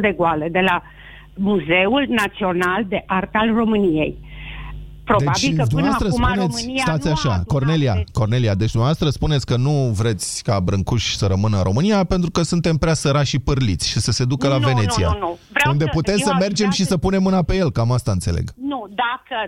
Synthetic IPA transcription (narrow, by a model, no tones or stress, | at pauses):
d̪e̞ɡoaləd̪e̞la | muze̞ulnat̪sio̞nald̪e̞ʔart̪alro̞mɨnije̞̰j | pɾod̪babt͡ʃild̪umnavast̪ɾəsspunet̪sst̪at̪sʲaʃako̞rnelia̰ko̞rne̞liad̪e̞t͡ʃd̪umnavast̪ɾəspunetsʲkənuvɾe̞t̪sʲkabɾɨŋkuʃʲsəɾəmɨnəɾʔo̞̰mɨnijape̞nt̪ɾukəsunt̪e̞mpɾeasəɾaʃipɨrlit̪sʲʃisəse̞d̪ukəlave̞ne̞t̪ia̰nuvund̪e̞put̪emsəme̞rd͡ʒe̞mʃisəpune̞mːɨnape̞je̞lkamast̪aɨnt̪se̞le̞̰ɡnud̪akə